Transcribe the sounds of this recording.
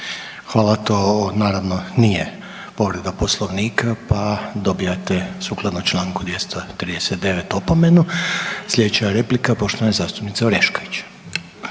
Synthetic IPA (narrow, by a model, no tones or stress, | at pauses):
xʋaːlˠat̪o̞naːɾaʋnonije | po̞ʋɾed̪apo̞slˠoʋniːkapad̪o̞bijat̪esuːklˠad̪not͡ʃlˠaːŋkud̪jest̪ʰot̪ɾiːd̪eset̪̚d̪e̞ʋet̪opomenuslʎʲe̞d̪et͡ɕeaɾe̞plikapo̞ʃt̪oanezaːst̪u̥pnit̪seoɾeʃkoʋit͡ɕ